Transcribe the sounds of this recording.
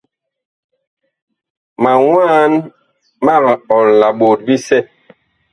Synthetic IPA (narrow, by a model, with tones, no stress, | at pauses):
ma˨wwaː˦n | ma˦˨ɣɔ˨lla˨ɓo˨t̚bi˦sɛ˦